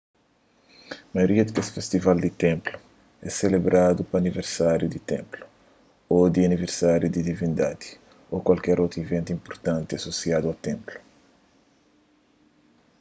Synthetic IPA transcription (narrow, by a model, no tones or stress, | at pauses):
mɐjoɾiɐd̪ikesi̥fest̪ivald̪it̪ẽmplu | ɛ̰selebɾʔad̪upːniveɾsaɾjud̪it̪ḛ̃mplu̥ | od̪iɐniveɾsaɾjud̪id̪ivĩnd̪ad̪i̥ | okwalkɛɾot̪ɾuivẽnt̪ĩmpoɾt̪ãnt̪iɐsosiad̪uɐt̪ẽmplu̥